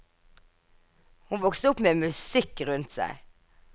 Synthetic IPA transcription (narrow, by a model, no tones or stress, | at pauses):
hʊnʋɔkst̪əʊpmeːmʉsɪkʁʉnt̪sæ̰ɪ